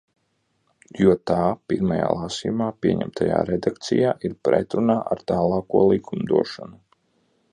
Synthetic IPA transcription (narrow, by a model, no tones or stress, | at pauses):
juɔt̪aːpiɾmaja̰ːlˠasijumaːpiɛɲɛ̰mt̪aja̰ːɾɛd̪akt̪sḭjaːʔiɾpɾɛ̰t̪ɾunaːʔaɾt̪aːlˠɑːkuɔlˠikʰumd̪uɔʃɔnu